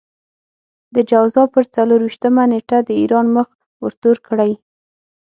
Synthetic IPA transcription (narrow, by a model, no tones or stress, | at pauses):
d̪əd͡ʒawzɑpəɾt͡saloɾwiʃt̪əmaneʈad̪əiɾɑnməx | wəɾt̪oɾkɽaj